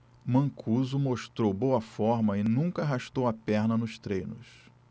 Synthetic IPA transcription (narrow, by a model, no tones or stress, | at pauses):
mɐ̃kʰuzʊmoʃt̪ɾowbowɐfɔɾmɐɪnũŋkɐːɦaʃt̪owɐpɛɾnɐnʊʃt̪ɾejnʊs